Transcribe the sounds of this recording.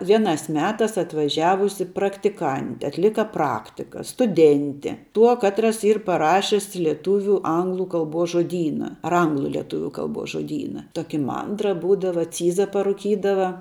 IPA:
ˈʋʲiɛnɑːs ˈmʲæːtɑːs ɐtʋɐˈʒʲæːʋʊsʲɪ prɐktʲɪˈkɐnʲtʲɪ ɐtʲˈlʲɪkɐ ˈprɑːktʲɪkɐ stʊˈdʲɛnʲtʲɪ ˈtuɔ ˈkɑːtrɐs ˈiːr pɐˈrɑːʃʲɪs lʲiɛˈtuːʋʲʊ ˈɐŋɡlˠʊ ˈkɐlˠboːs ʒoːˈdʲiːnɐ ɐr ˈɐŋɡlˠʊ lʲiɛˈtʊʋʲʊ ˈkɐlˠboːs ʒoːˈdʲiːnɐ ˈtoːkʲɪ ˈmɐndrɐ ˈbuːdɐʋɐ ˈt͡sʲiːzɐ pɐrʊˈkʲiːdɐʋɐ

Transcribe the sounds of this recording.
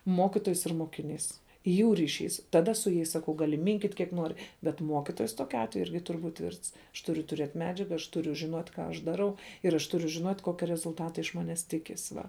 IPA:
ˈmoːkʲɪtoːjɛs ɪr moːkʲɪˈnʲiːs juː rʲɪˈʃʲiːs tɐˈdɐ sʊ jɛɪs sɐˈkɐʊ ɡɐˈlʲɪ ˈmʲɪŋʲkʲiːtʲ kʲiɛk ˈnoːrʲɪ bʲɛt ˈmuɔkʲɪtoːjɛs ˈtoːkʲʊ ˈɑːtʲʋʲɛjʊ ˈɪrʲɡʲɪ ˈtʊrʲ ˈbuːtʲ ˈtʲʋʲɪrts ɐʃ ˈtʊrʲʊ tʊˈrʲiɛtʲ ˈmʲæːd͡ʒʲɛɡɐ ɐʃ ˈtʊrʲʊ ʒʲɪˈnuɔtʲ ˈkɑː ɐʃ dɐˈrɐʊ ɪr ɐʃ ˈtʊrʲʊ ʒʲɪnoːtʲ ˈkoːkʲɛ rʲɛzʊlˠˈtɑːtɐ ɪʃ ˈmɑːnʲɛs ˈtʲɪkʲɪs ˈʋɐ

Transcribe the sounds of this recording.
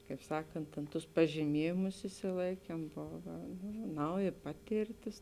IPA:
kɐɪp ˈsɑːkɐnt tʲeːn ˈtʊs pɐʒʲiːˈmʲiɛjɪmʊs ɪʃʲsʲɪˈlˠɐɪkʲiɛm ˈboːʋɐ ˈnɐʊˌjɪ ˈpɑːtʲeːrʲˌtʲɪs

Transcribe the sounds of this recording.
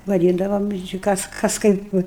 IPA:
ʋɐˈdʲiːndɐʋoːm ɪr t͡ʃʲɪ ˈkɐs ˈkɐs ˈkɐɪp ˈʋə

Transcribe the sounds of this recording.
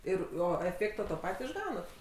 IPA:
ˈɪr ˈoː ɛˈfʲeːktoː ˈtoː ˈpɐtʲ ɪʒˈɡɐʊnɐt

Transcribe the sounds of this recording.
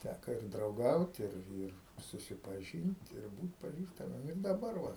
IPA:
ˈtʲækɐ ɪr drɐʊˈɡɐʊt ˈɪr ˈɪr sʊsʲɪpɐˈʒʲiːnt ɪr ˈbuːt pɐˈʒʲiːstɐmʲiɛm ɪr dɐˈbɐr ʋɐ

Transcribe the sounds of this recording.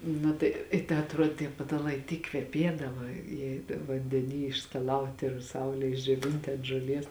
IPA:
ˈnʊ tɐɪ ɪ tɐ ɐtˈruɔdʲeː tʲiɛ pɐtɐˈlˠɐɪ ˈtʲiːk kʋʲɛˈpʲiɛdɐʋɐ jiɛ ʋɐnʲdʲɛˈnʲiː ɪʃskɐˈlˠɐʊtʲɪ ɪr ˈsɐʊlʲeːj ɪʒʲd͡ʒʲoːˈʋʲɪnʲtʲɪ ɐnt ʒoːˈlʲiɛs

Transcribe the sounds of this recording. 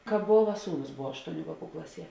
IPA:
ˈkɑːp boːʋɐ ˈsuːˌnʊs ˈboːʋɐ ˈɑːʃtoːʊˌnʲuː ˈʋɑːˌkuː ˈklˠɑːˌsʲiɛ

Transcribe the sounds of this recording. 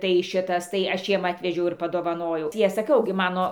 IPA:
tɐɪ ˈʃʲɪtɐs tɐɪ ˈɐʃ jiɛm ˈɑːtʲʋʲɛʒʲɛʊ ɪr pɐˈdoːʋɐnoːjɛʊ tɐɪ ˈɐʃ sɐˈkʲɛʊ ɡʲɪ ˈmɑːnoː

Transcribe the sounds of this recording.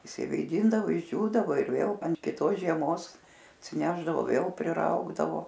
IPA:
ɪʃʲsʲɪʋʲeːˈdʲɪndɐʋoː ɪʒʲˈd͡ʒʲuːdɐʋoː ɪr ˈʋʲeːlˠ ɐnt kʲɪˈtoːs ʒʲiɛˈmoːs ɐtʲsʲɪˈnʲæːʒdɐʋoː ˈʋʲeːlˠ pʲrʲɪˈrɐʊɡdɐʋoː

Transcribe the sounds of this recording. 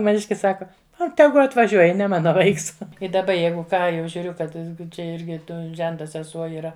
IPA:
mɐˈnʲɪʃʲkʲɪs ˈsɑːkɐ ɐ ˈtʲæːɡʊ ɐtʋɐˈʒʲuɔj nʲɛ ˈmɑːnɐ ˈʋɐɪks ɪ dɐˈbɐ ˈjɛɪɡʊ ˈkɑː jɛʊ ʒʲuːˈrʲʊ kɐt ˈt͡ʃʲɛ ˈɪrʲɡʲɪ ˈtoː ˈʒʲɛntɐ sʲɛˈsuɔ iːˈrɐ

